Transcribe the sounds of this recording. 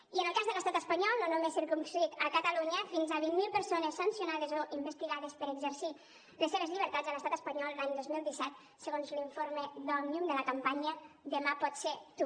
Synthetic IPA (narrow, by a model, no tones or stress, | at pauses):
iənəlˠkazðələst̪at̪əspəɲɔlˠnonomesːiɾkumskɾit̪əkət̪əluɲəfinzaβinmilˠpəɾsonəsːənsiunað̞əzoʔimbəst̪iɣaðəspəɾəɡzəɾsi | ləsːeβəzʎiβ̞əɾt̪azələst̪at̪əspəɲɔlˠlaɲd̪ozmilˠd̪isɛt̪̚ | səɣonzliɱfoɾməðɔnumd̪ələkəmpaɲəðəmapɔt̪set̪u